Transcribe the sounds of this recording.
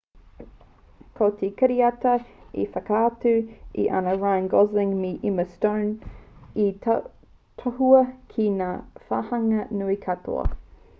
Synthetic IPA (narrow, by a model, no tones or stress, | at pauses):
kʰot̪ʰikɐɾiɐtɐḭfɐkaːtʉḭʔɐ̰nɐɹajnɡɔzɪŋmiʔiməstoːni | t̪ʰohuɐkʰinaːfahɐŋɐnuikʰatʰo̰ɐ̰